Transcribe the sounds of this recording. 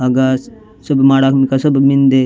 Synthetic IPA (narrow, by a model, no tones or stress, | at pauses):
ɐɡa | səbmaːɽaːkmikasəbmind̪e